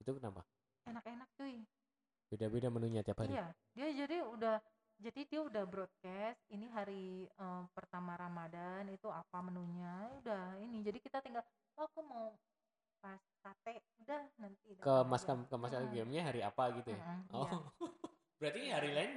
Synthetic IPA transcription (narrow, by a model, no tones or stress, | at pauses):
it̪ukənapa | enakenak̚t̪uɪ | b̥edabedamənuɲat̪iaphaija | diad͡ʒadiudah | d͡ʒadidiaudahbɾɔd̪̚kɛst̪̚iniɦaɾiəpərt̪amaɾamadanit̪uapamənuɲaudahinid͡ʒadikit̪at̪iŋɡal | aakumau | pas | kat̪ɛʔudahnant̪idakəmaskamkəmaskaɡɛmɲaɦaɾiapaɡit̪uaɔ | b̥əɾat̪iɦaɾilaɪn